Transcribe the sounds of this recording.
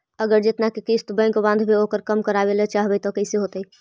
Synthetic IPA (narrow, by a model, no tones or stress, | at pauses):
əɡəɾd͡ʒet̪nakekist̪bə̃kobãnd̪ʱbʱeokəɾkəmkəɾabelet͡ʃaɦbɛt̪ɔkəɪseɦot̪əj